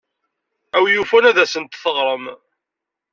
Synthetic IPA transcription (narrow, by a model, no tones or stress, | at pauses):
æwjufænæðæsənt̪θəʁɾˤəm